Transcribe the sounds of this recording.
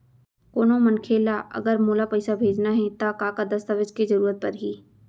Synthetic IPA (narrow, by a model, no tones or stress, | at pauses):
koːnõmənkʰeːlaʔɐ̰ɡəɾmoːlapɛɪsabʱeːd͡ʒnaɦɛt̪akaːkad̪ɐst̪əʋɪd͡ʒkizɐɾuːɾət̪̚pɐɾɦiː